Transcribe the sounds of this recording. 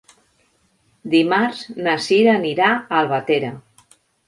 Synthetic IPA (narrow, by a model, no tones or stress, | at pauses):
d̪imaɾznəsiɾaəniɾaːlˠβat̪eɾə